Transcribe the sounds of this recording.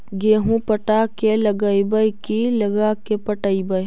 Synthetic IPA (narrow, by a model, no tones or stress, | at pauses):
ɡeːɦũpəʈakelɐɡəibəjkilɐɡakepəʈəibəj